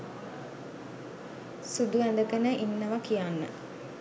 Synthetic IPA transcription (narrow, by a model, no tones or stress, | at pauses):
sud̪uænd̪əkənəʔinːəʋakijanːə̰